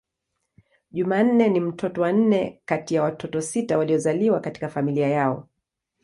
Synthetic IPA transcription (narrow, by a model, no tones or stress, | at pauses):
ʄuman̩nɛnim̩tʰɔtɔwan̩nɛkatijawatʰɔtɔsitawaliɔzaliwakati̥kafamiliajaɔ̰